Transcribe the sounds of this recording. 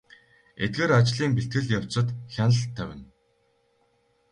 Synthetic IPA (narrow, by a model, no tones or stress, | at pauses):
et̪̚ɡeːɾat͡ɕɮiːŋpiɬt̪̚ɡɘ̆ɮjaw̥t͡sə̆t̪xʲanɮə̆ɬt̪ʰːæwʲɪ̆n